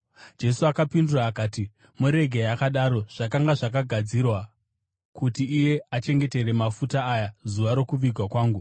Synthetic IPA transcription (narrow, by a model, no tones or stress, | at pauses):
d͡ʒe̞suakapinduraːkaːti | muɾe̞ɡʱejakaɗaːɾo̞ʐ̥akaŋɡaʐakaɡʱad͡zirwa | kutiːje̞at͡ʃe̞ŋɡe̞te̞ɾe̞mafutaːjazuʋaɾo̞kuʋiɡʱwakwaːŋɡu